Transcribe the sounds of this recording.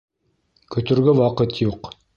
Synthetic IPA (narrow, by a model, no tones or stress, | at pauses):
kɵ̆t̪ɵ̆ɾɡɵwɑqɤt̪juq